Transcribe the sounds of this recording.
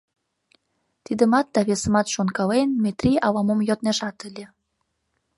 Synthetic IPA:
t̪id̪əmɑt̪̚d̪ɑβesə̆mɑt̪ʃonkɑlenmet̪riʔɑlɑmomjot̪̚neʃɑt̪əlʲe

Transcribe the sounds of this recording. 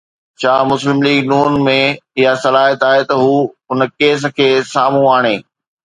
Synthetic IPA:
t͡ɕʰaːmʊslɪmliːɡnuːnmẽɪɦasɐlaːɦət̪aːɦet̪ɐɦuːʊnə̆keːs̬ə̆kʰeːsaːm̤ũaːɽ̃eː

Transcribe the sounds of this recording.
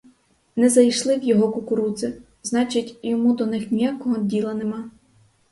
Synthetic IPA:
nɛzɐjʃlˠɪwjɔɦɔkʊkʊɾuzɪ | znɑt͡ʃɪtʲjɔmud̪ɔnɪxnʲijakɔɦɔdʲilˠɐnɪmɑ

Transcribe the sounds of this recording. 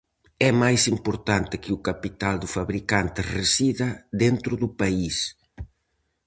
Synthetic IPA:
ɛmajsimpoɾt̪ant̪ɪkɪukapit̪ald̪ʊfaβɾikant̪ɪresiðɐðent̪ɾʊðʊpais

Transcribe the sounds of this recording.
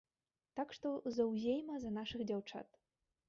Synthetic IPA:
t̪akʂt̪ɔzɐwzʲejmɐzɐnaʂɨɣd͡zʲawt͡ʂa̰t̪

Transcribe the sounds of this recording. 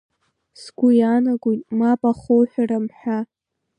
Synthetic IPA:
sɡʷʊjanaɡʷojtʼmapʼaχowħʷᶣaramħʷᶣa

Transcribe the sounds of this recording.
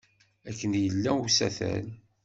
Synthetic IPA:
ækːənjəlːæusæθæ̰n

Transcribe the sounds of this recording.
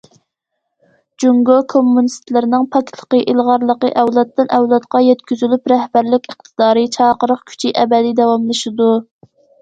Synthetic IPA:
d͡ʒuŋɡokʰomːunist̪lɪɾnɪŋpʰɑkʲt̪lˠə̥qəʔilˠʁɑɾlˠəqəʔɛwlˠɑt̪ːɨnʔɛwlˠɑt̪qɑjɛt̪kʲyzylypɾɛhbæɾlɪkʲəχt̪ʰɨd̪ɑːɾɨt͡ʃʰɑːqəɾəqkʲʰy̥t͡ʃʰiʔɛbɛd̪id̪ɛwɑmlˠɨʃɨd̪u

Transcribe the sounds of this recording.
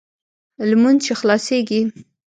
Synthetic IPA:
lmunt͡ʃexlɑseɡi

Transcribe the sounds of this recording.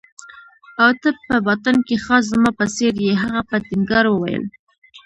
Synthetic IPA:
awt̪əpəbɑt̪ankexɑs̬zmɑpəseɾjeɦaɣapət̪ɪŋɡɑɾwəwa̰jə̰l

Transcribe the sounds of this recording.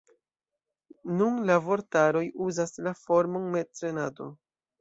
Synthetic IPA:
nunlavo̞ɾtaɾo̞juzaslafo̞ɾmonmetɾe̞nado̞̰

